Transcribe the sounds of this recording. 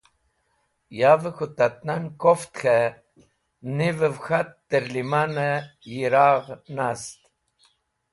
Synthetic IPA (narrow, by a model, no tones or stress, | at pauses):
javəxut̪at̪nankoft̪xe | nivəvxat̪ːəɾlimanəjiɾaʁnast̪